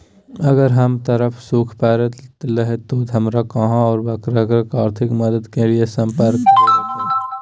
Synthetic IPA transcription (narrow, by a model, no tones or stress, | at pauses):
ɐɡəɾɦɐmt̪əɾəfʰsuːkʰpɛːɾət̪lɐɦet̪oːd̪ʱɐmɾakɐɦãɔːɾbɐkɾəɡɾəkaːɾt̪ʰɪkmɐd̪əd̪keliesɐ̃mpəɾkː